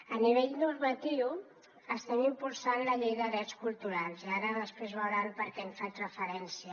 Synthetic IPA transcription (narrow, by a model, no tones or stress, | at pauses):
əniβ̞eʎnuɾmət̪iw | əst̪ɛmimpulˠsanləʎejðəðɾɛt̪t͡skulˠt̪uɾalˠziaɾəðəspɾezβəwɾanpəɾkɛmfet̪rəfəɾɛnsiə